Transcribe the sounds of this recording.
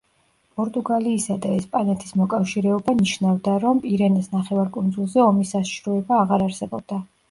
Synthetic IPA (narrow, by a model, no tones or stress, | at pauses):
pʼɔɾt̪ʼuɡaliːsad̪aɛspʼanɛt̪ʰi̥smɔkʼafʃiɾɛɔbaniʃnavd̪aɾɔmpʼiɾɛnisnaχɛvaɾkʼund̪zulˠzɛɔmisaʃi̥ʃɾɔɛbaːʁaɾaɾsɛbɔb̚d̪a